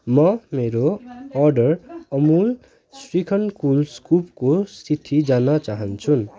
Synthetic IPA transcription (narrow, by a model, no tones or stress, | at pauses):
mʌmeɾoʌrɖʌrʌmul | srikʰʌnkulskup̚kosit̪ʰːid͡zanʌt͡saɦʌnt͡sʰun